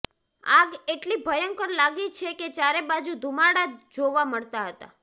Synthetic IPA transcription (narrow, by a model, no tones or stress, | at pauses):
aɡeʈlibʱəjəŋkəɾlaɡit͡ʃʰeket͡ʃaɾebad͡ʒud̪ʱumaɽad͡ʒoʋaməɭt̪aɦət̪a̰